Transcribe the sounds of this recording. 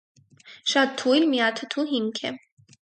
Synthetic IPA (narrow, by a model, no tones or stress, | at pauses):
ʃat̪̚t̪ʰːujlmiat̪ʰət̪ʰuɦiŋkʰɛ